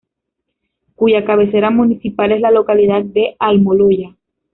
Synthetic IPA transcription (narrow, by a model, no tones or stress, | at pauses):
kuʝakaβ̞e̞se̞ɾamũnisipale̞zlalo̞kalið̞at̪̚d̪e̞ʔalmoloʝa